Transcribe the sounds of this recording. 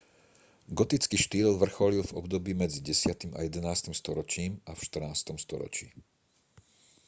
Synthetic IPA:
ɡɔt̪it͡skiːʃt̪iːlʋr̩xɔlilvɔ̰bd̪ɔbiːmɛd͡ziɟɛsɪat̪ima̰jɛd̪ɛnaːst̪imst̪ɔɾɔt͡ʃiːmafʃt̪r̩naːst̪ɔmst̪ɔ̰ɾɔ̰t͡ʃḭː

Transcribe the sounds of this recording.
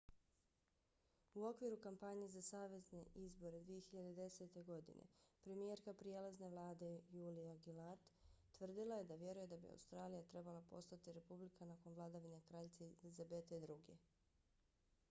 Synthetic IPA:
uo̞kʋiɾukampaɲe̞zasaːʋe̞zne̞ʔizbo̞ɾe̞d̪ʋije̞çiʎad̪ed̪e̞se̞t̪e̞ɡo̞d̪ḭnʔḛpɾe̞mijeɾkapɾijelazne̞ʋlˠaːd̪e̞juːliaɡilat̪ː | ʋr̩d̪ilˠaje̞d̪aʋje̞ɾuje̞d̪abḭa̰wst̪ɾaːlijat̪ɾe̞balˠapo̞̰st̪at̪iɾe̞publikʰanako̞nvlˠad̪aʋine̞kɾaʎt̪selizabe̞t̪eid̪ɾuɡe̞̰

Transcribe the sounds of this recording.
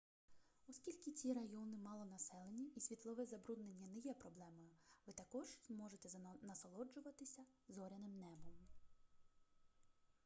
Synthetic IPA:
ɔsʲkʲilʲkɪt͡sʲiɾɐjɔnɪmɑlˠɔnɐsɛlˠe̞nʲːiisʲʋʲit̪lˠɔʋɛzɐbɾud̪nenʲːɐnɛjɛpɾɔblˠɛmɐjʊʋɪt̪ɐkɔʒzmɔʒet̪ɛnɐsɔlˠɔd͡ʒʊʋɐt̪ɪsʲɐ | zɔɾʲɐnɪmnɛbɔm

